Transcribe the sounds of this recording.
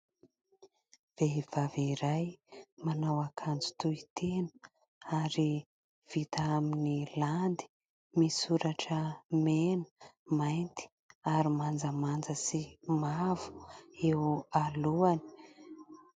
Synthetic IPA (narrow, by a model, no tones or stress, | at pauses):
v̥eɦiv̥aviɾajmanawakʰand͡zu̥t̪uit̪ʰenə̥ | aɾi | v̥it̪aaminiland̪i̥ | misuɾaʈ͡ʂəmenə̥ | majnt̪i̥ | aɾimand͡zəmand͡zəsimavu̥ewaluani̥